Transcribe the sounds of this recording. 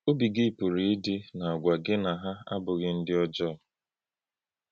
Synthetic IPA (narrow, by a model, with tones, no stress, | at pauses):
o˦bi˨ɡi˦˨pu˨ɾi˨i˦dɪ˦na˨a˨ɡʷa˨ɡɪ˦na˨ɦa˦a̰˦bʊ˨ɣɪ˦n̩˦dɪ˦ɔ˦d͡ʒɔ˦˨